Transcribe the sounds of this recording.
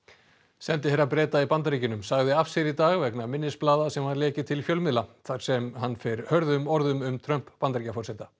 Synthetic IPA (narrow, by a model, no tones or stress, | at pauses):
sɛnt̪ɪhɛɾːapɾɛːt̪aipant̪aɾiːcɪnʏmsaɣðɪafsɛɾit̪aːɣvɛknamɪnːɪsplaːðasɛmaðlɛːcɪt̪ʰɪlfjœlmɪðlaθaɾ̥sɛmɦanːfɪɾhœɾðʏmɔɾðʏmʏmt̪ʰɾœm̥pːant̪aɾiːcafɔrsɛːt̪a